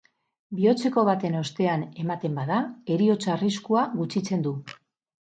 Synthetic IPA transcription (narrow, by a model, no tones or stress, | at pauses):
bio̞t͡se̞ko̞βat̪e̞no̞st̪e̞ane̞mat̪e̞mbað̞ae̞ɾio̞t͡saːriskuaɣut͡sit͡se̞nd̪u